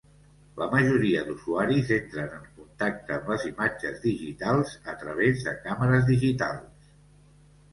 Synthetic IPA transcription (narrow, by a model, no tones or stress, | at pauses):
ləməʒuɾiəd̪uzuaɾizent̪ɾənəŋkunt̪ak̚t̪əːmləzimad͡ʒəzðiʒit̪alˠzət̪ɾəβ̞ezðə̰kaməɾəzðiʒit̪alˠs